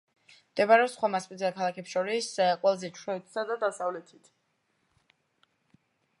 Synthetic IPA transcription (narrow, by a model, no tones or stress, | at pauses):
md̪̥ɛbaɾɛɔsχwamaspʼid̪zɛakʰalˠakʰɛpsʃɔɾisqʼwɛlˠzɛt͡ʃʰɾɛt̪ʰsad̪ad̪asavlɛt̪ʰit̪ʰ